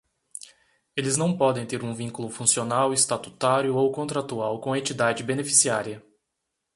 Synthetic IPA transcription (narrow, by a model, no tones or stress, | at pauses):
elɪznɐ̃w̃pɔd̪ẽj̃t̪eɾũvĩkulʊfũsionawɪst̪at̪u̥t̪aɾjʊowkõt̪ɾat̪uawkõɐẽt͡ʃ̪id̪ad͡ʒɪbenefi̥siaɾjɐ